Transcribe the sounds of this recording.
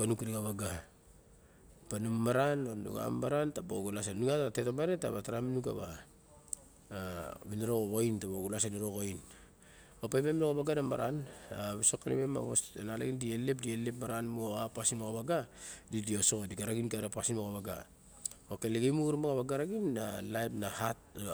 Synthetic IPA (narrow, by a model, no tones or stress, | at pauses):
panukiɾiɡaβaɡa | panumːaɾanonṵɡa̰mːaɾantabo̰ɡulas̬ennuŋataatetomaɾetaβataɾaminuɡa̰βa | βinaɾoɡoɡointaboɡulas̬eniɾoɡoin | opajmemnoɡoβaɡanama̰ɾanaβesokːanḛβema̰βosnala̰ɡindielep̬̚dielepmaɾanmoapasinoɣaβaɡadidiosokodiɡaɾaɡinkeɾapasinmoɣaβaɡa̰ | okeleɡejmuuɾmaɡaβaɡaɾaɡinːalajpnahat